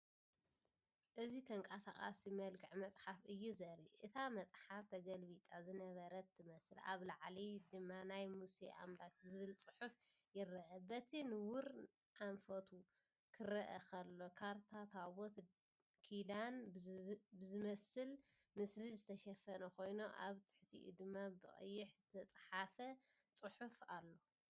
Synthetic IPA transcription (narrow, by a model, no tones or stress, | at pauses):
ʔɨzit̪ʰɐŋkʼasakʼa̰simɐlkʰɨʕmɐt͡sʼħafɨjːuzɐɾiʔɨt̪ʰamɐt͡sʼħaft̪ʰɐɡɐlbit̪ʼazɨnɐβɐɾɐt̪ʰːɨmɐsɨla̰βlaʕlid̪ɨmːanajmusiʔa̰mlat̪zɨβɨlt͡sʼɨħuf | jɪɾɐʔɐbɐt̪ʰinɨwʊɾ | ʔaɱfɐt̪ʰu | kʰɨɾɐʔɐkʰɐlːo̞kʰaɾt̪ʰat̪ʰaβot̪ | kʰilan | bɨzɨmɐsɨl | mɨslizɨt̪ʰɐʃɐfɐnɐkʰo̞jnoʔaβt̪ʰɨ̥ħt̪ʰḭʔṵd̪ɨmːabɨ̰χʼɨ̰jːɪħzɨt̪ʰɐt͡sʼħafɐ | t͡sʼɨħufalːo̞